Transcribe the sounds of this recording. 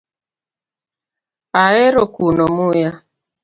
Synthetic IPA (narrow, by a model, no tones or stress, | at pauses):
aeɾokunɔmuja